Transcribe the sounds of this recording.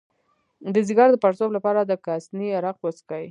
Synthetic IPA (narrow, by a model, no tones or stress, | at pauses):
d̪əzɪɡɑɾd̪əpaɾsoblapɑɾad̪əkasniaɾaqposkai